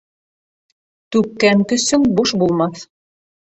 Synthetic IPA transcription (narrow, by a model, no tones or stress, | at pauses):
t̪ʉkːæŋkɵ̆sɵŋbuʃbulˠmɑθ